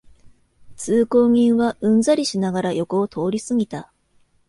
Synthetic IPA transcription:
t͡sɨːko̞ːŋ̟ĩɰ̃βaʔɯ̟̃nzaɾʲiɕinaɡaɾajo̞ko̞ːt̪ʰo̞ːɾʲisɨɡʲit̪a

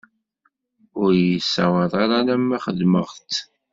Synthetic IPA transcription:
ʊɾjəsːæwəɾˤɑɾaɾæmːæχəðməʁt̪

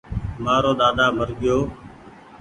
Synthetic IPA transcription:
maːɾoːd̪aːd̪aːmʱəɾɠɪjoː

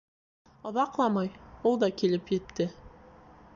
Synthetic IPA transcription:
ŏðɑqlˠɑmɑjwolˠd̪ɑkʲʰe̞lɪpʒet̪ːɪ

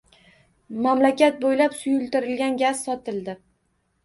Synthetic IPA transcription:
mamlakʲat̪̚bojlapsʊjʊlˠt̪ɪɾɪlɡʲanɡʲassɒt̪ɪld̪ɪ

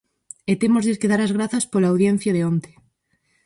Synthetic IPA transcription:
et̪emozðekeðaɾɐzɣɾaθɐspolaːwðjen̟θjɐðeont̪e̥

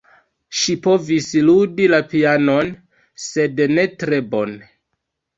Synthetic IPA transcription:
ʃipo̞visludilapiano̞n | se̞dne̞tɾe̞bo̞n

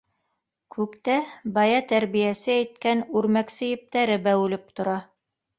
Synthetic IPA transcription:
kʰʉkt̪æbɑjɑt̪æɾβijæsɘæjt̪̚kænʉɾmæksɘ̆jɘ̆p̚t̪æɾɘbæwʉlɘp̚t̪ŏɾɑ

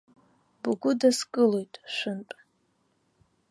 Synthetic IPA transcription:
bɡʷʊdaskʼɨlo̞jtʼʃʷɨnpʼ

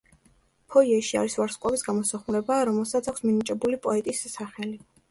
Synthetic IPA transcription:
pʰɔiɛʃia̰ɾisvaɾsqʼɔbisɡamɔsaχmuɾɛbaːɾɔmɛlˠsat̪sʰakʰʷsminit͡ʃʼɛbulipʼɔɛt̪ʼisːaχɛli

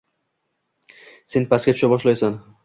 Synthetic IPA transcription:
se̞npʰaskʲat͡ʃʰʊ̥ʃabɒʃlajsan

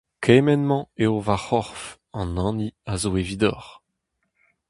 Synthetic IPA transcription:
kʰemɛnmɑ̃eovaχɔʁf | ɑ̃nɑ̃ːniazoevid̪ɔ̰ʁ

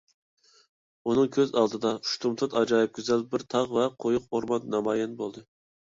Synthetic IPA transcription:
unɨŋkʲʰøzɑlˠd̪ɨd̪ɑu̥ʃt̪ʰumt̪ʰut̪ɑd͡ʒɑːjip̚kʲyzɛlbɪɾt̪ʰɑʁvɛqʰojuq̚oɾmɑnnɑmɑːjɛnbolˠd̪ɨ

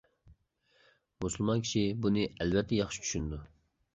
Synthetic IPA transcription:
musulˠmɑnkʲʰi̥ʃibunɨɛlvɛt̪ʰːɛjɑχʃi̥t͡ʃʰy̥ʃynd̪u

